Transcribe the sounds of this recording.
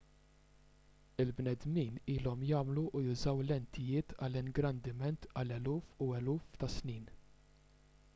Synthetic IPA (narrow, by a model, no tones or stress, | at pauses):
ɪlbnɛd̪miːniːlɔmjɐːmluʔːjʊzɐwlɛnt̪ɪjɪːt̪ʰɐlɪŋɡɾɐnd̪ɪmɛnt̪ɐlɛluːfuɛluːft̪ɐsniːn